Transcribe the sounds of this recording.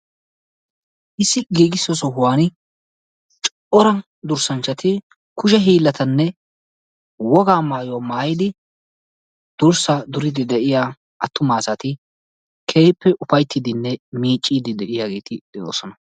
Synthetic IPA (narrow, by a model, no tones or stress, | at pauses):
ʔɪsːɪɡiːɡɪsːɔsɔɦʊwaːnɪ | t͡ʃʼɔʔɔɾɐ | d̪ʊɾsɐnt͡ʃːɐt̪ɪ | kʊʃɛɦiːlːɐt̪ʰɐnːɛ | wɔɡaːmaːjomaːjɪd̪ɪ | d̪̥ʊɾsɐd̪ʊɾɪd̪ɪd̪ɛʔɪjaː | ʔɐt̪ːʊmaːsɐt̪ɪ | kʰeːpːɛʔʊfɐjt̪ːɪd̪ɪnːɛmiːt͡ʃʼːiːd̪ɪd̪ɛʔɪjaːɡe̞ːt̪ɪd̪̥ɛjo̰ːsɔnɐ